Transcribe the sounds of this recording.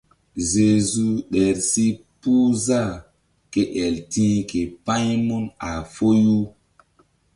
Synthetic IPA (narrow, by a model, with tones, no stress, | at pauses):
ze˨zu˦ɗe˨ɾsi˦ | pu˦za˦˨ | ke˦ʔɛ˨ltĩː˦ke˨pã˦ɲmu˦na˨fo˦ju˦